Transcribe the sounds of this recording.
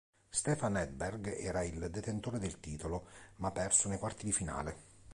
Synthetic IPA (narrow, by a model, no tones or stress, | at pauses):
st̪ɛːfanɛd̪̚bɛrɡɛːɾaild̪et̪ent̪oːɾed̪elt̪iːt̪olomapːɛrsonejkwart̪id̪ifina̰ːle